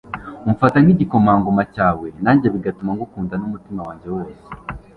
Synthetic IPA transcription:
uɱfataniɟiko̞maːŋɡomacaːwe̞naːɲɟeβiɡatumaŋɡukuːndanumutimawaːɲɟe̞wo̞ːse̥

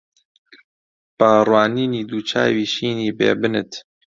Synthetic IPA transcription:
paːrwaːniːniːd̪uːt͡ʃʰa̰ːwiːʃiːniːbḛːbɨnɨ̰t̪

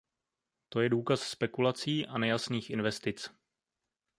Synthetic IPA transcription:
t̪o̞jɛduːkasspɛkulat͡siːʔanɛjasniːxʔɪnvɛst̪ɪt͡s

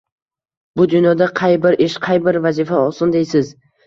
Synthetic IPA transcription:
bʊd̪ʊnjɒd̪aqʰɑjbɪɾʔeʃqʰɑjbɪɾvazifaɒsʊnd̪ejsɪz

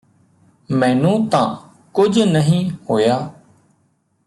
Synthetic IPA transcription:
mɛ̃ːnũːt̪ã̰ː | kʊd͡ʒnəɦĩːhoːjaː

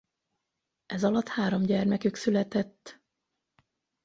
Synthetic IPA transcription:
ʔɛzɒlɒt̪haːɾo̞mɟɛrmɛkyksylɛt̪ɛt̪ː

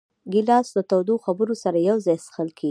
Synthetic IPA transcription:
ɡɪlɑsd̪ət̪awd̪oxabəɾosaɾajawzɑjsxəlkʰei

